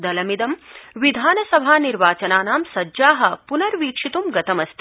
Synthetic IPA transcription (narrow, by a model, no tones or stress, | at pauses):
d̪ɐlɐmid̪ɐmʋid̪ʱaːnɐsɐbʱaːniɾʋaːt͡ʃɐnaːnaːmsɐːd͡ʒaːɦɐ̆punɐɾʋiːkʂit̪umɡɐt̪ɐmɐst̪ʰi